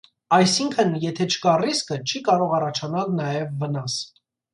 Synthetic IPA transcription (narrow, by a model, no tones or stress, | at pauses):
ɑjsiŋkʰənjɛt̪ʰɛt͡ʃʰə̥kɑriskət͡ʃʰikɑɾɔʁɑrɑt͡ʃʰɑnɑlnɑjɛvːənɑs